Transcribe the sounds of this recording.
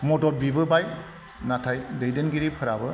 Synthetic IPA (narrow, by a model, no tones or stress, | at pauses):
mɔtɔt̚bibɯbaj | natʰajdejdɯnɡiɾipʰɯɾabɯ